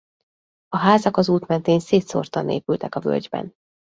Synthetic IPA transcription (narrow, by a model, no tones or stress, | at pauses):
ɒɦaːzɒkɒzuːt̪mɛnt̪eːnseːt̪so̰rt̪ɒnḛːpylt̪ɛkɒvø̰ld͡ʒbɛ̰n